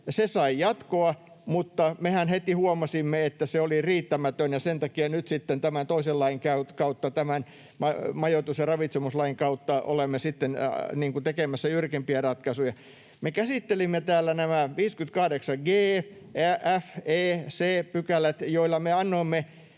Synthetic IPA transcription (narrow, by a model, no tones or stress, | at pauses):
sesɑijɑt̪koɑ | mut̪ːɑmehænhet̪ihuomɑsimːeet̪ːæseoliriːt̪ːæmæt̪ønjɑsent̪ɑkiɑnyt̪sit̪ːent̪æmænt̪oisellɑiŋkækɑut̪ːɑt̪æmæn | mɑmɑjot̪usjɑrɑʋit̪semuslɑiŋkɑut̪ːɑo̰lemːesit̪ːenniːŋkut̪ekemæsːæjyrkimpiærɑt̪kɑsujɑ | mekæsit̪ːelimːet̪æːlːænæmæʋiːskyt̪kɑhdeksɑɡeː | ææfeːseːpykælæt̪joilːɑmeɑnːoimːe